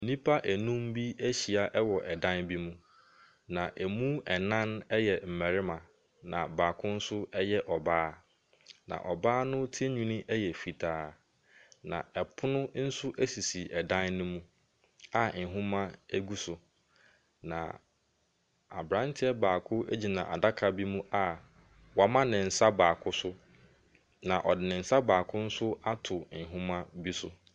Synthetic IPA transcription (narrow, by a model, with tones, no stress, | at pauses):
i˨nĩ˦pʰa˦ʔæ˨nũ˦mbi˦æ˦ɕi˨a˨ʔɛ˦wɔ˨ʔɛ˨dã˦nbi˦mũ˦ | nã˨ʔɛ˨mũ˦ɛ˨nã˦nɛ˦jɛ˨m̩˨mɛ˨ɾɪ˦mã˨ | nã̰˨baː˨kʰʊ̃˦n̩˦sʊ˦ɛ˦jɛ˦ʔɔ˨baː˦ | nã̰˨ʔɔ˨baː˦nʊ̃˦tʰe˦ɲũ˦nĩ˦ʔɛ˦jɛ˨fi˨tʰaː˦ | nã̰˨ɛ˨pʰʊ˦nʊ̃˦n̩˦sʊ˦ʔæ˦si˨si˨ʔɛ˨dã˦nːʊ̃˦mũ˦ | a˨nɪ˨ɦʊ̃˦mã˦æ˦ɡu˦sʊ˨ | nã̰˨ | a˨bɾã˦n˦tʰɪ˦ɛ˦baː˨kʰʊ˦æ̰˦d͡ʑi˨nã̰˨ʔa̰˨da˦kʰa˨bi˦mũ˦ʔa˦ | wa˨˦mã˦nɪ̃˨n̩˨sa˦baː˨kʰʊ˦sʊ˦ | nã˨ʔɔ˨dɪ˨nɪ̃˨n̩˨sa˦baː˨kʰʊ˦n̩˦sʊ˦a˦tʰʊ˨ɪ˨ɦʊ̃˦mã˦bi˦sʊ˦